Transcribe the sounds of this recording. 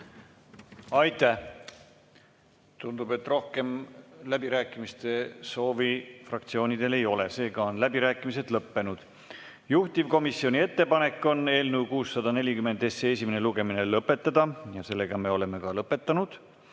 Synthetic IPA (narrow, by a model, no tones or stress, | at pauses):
ɑjt̪ːˑæh | t̪und̪̥ub̥e̞t̪ːro̞hke̞mlæbiɾæːkːˑimist̪e̞so̞ːvifrɑk̚t̪sio̞ːnʲid̪̥e̞le̞jo̞le̞se̞ːɡ̥ɑonlæb̥iɾæːkːˑimise̞d̪lɤpːe̞nud̪̥ | juht̪ivko̞misio̞nʲie̞t̪ːe̞pɑne̞kːˑo̞ne̞ːlnuwkuːsːɑd̪̥ɑne̞lʲikyme̞nd̪esees̬ʲimeneluɡ̥e̞mine̞lɤpːˑe̞t̪ːˑɑd̪̥ɑjɑse̞lːe̞ɡ̥ɑme̞o̞le̞me̞kɑlɤpːˑe̞t̪ːˑɑnud̪̥